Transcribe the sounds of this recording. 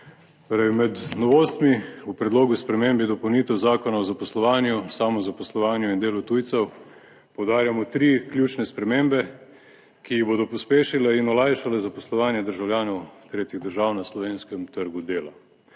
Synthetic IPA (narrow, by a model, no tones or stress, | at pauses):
t̪oɾamɛd̪nɔʋoːst̪miupɾɛd̪loːɡuspɾɛmembid̪ɔpɐwniːt̪ɛwzaːkɔnaɔzapɔslɔʋaːnjusaːmɔzapɔslɔʋaːnjuind̪eːlut̪uːjt̪sɛw | pɔwd̪aːɾjamɔt̪ɾiklʲjuːt͡ʃnɛspɾɛmeːmbɛ | kiiboːd̪ɔpɔspeːʃilɛinɔlaːjʃalɛzapɔslɔʋaːnjɛd̪əɾʒawlʲjaːnɔwt̪ɾeːt̪jiɣd̪əɾʒaːwnaslɔʋeːnskɛmt̪əɾɡud̪eːla